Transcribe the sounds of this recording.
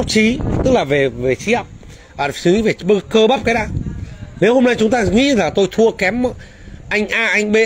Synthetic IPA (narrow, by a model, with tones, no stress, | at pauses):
a˦˥t͡ɕi˨˦t̪ɨ˦˥k̚laː˨˩ve˨˩ve˨˩t͡ɕi˨˦a˧˨w | aː˨˩˨si˧˦ve˨˩ɓə˧kəː˧ɓaː˦˥p̚kaː˨˦jɗaː˧ne˨˦who˧mna˧jt͡ɕʊ˨˦ŋ͡mt̪aː˧ŋḭ˧˥laː˨˩t̪o˧jt̪ʰu˧əkɛ˨˦m˧ | ʔa˧jŋ̟ʔaː˧ʔa˧jŋ̟ɓe˧